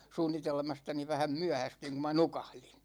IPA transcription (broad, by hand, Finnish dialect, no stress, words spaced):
suːnːitelmɑstɑni ʋæhæm myæhæstyiŋ ku mɑ nukɑhlin̥